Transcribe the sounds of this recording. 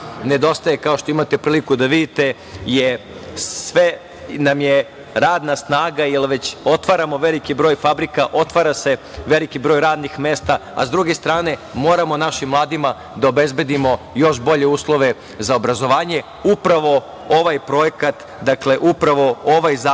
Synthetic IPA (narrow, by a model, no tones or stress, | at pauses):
ne̞d̪o̞st̪aje̞kao̞ʃt̪o̞imat̪epɾiːlikud̪aʋid̪it̪e̞ | jesʋe | namje | ɾaːd̪nasnaːɡailʋe̞t͡ɕo̞t̪ʋaɾamo̞ʋe̞likibɾo̞ːjfabɾikaʔo̞t̪ʋaːɾase̞ʋe̞likibɾo̞ːjɾaːd̪nixme̞ːst̪aa̰zd̪ɾuɡe̞st̪ɾaːne̞mo̞ːɾamo̞naʃimlˠaːd̪ima | d̪aobe̞zbe̞d̪imo̞jo̞ʃbo̞ʎe̞uːslˠo̞ʋe̞ | zaobɾazo̞ʋaːɲe̞ | upɾaʋo̞ | oʋajpɾo̞jekat̪ | d̪akle̞ʔupɾaʋo̞o̞ʋajza